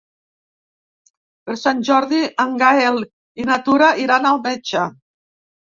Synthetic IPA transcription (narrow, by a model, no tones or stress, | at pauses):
pəɾsanʲʒɔɾðiaŋɡael | inat̪uɾaʔiɾanalˠmɛt͡ʃa